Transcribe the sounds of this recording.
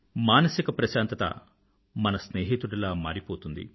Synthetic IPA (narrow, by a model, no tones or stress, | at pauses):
maːnɐsikɐpɾɐʃaːnt̪ɐt̪ɐ̰ | mɐnɐsneːɦit̪uɽɐlaːmaːɾipoːt̪und̪ḭ